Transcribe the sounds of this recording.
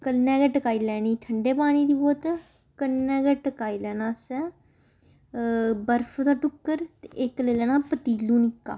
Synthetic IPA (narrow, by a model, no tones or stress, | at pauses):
kəlːɛ̃ːɡɛːʈəkaːiːlɛːniːt̪ʰəɳɖeːpaːɽ̃iːd̪iːboːt̪ | kənːɛ̃ːɡɛːʈəkaːiːlɛːnãːsɛː | bəɾpʰd̪aːʈʊkːəɾt̪eɪkleːlɛːnãːpət̪iːlũːnɪkːa̰ː